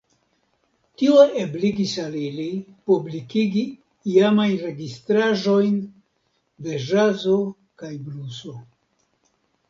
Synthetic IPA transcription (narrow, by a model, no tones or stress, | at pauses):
tioebliɡisalilipublikiɡi | iamajnɾe̞ɡist̪ɾaʒo̞jn | be̞ʒazo̞ | kajbluso̞